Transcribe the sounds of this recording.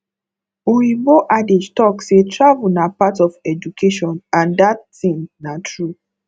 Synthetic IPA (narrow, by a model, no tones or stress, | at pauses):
oɾĩboʔaded͡ʒtɔksetɹavunapatɔfɛd͡ʒukʰeʃɔ̃nãndattĩnnatɹu